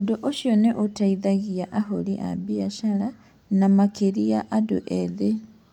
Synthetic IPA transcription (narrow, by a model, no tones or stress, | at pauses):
doʔoʃjoneʔotaiðaɣiaʔaholḭʔa̰biaʃala | namakeɾiaʔado̰ʔeðe